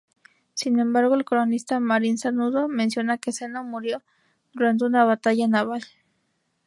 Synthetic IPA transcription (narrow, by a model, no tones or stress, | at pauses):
sinembaɾɣoelkolonist̪amaɾinsanuðomensjonakesenomuɾjo | ð̥uɾant̪̬eunaβat̪aʝanaβal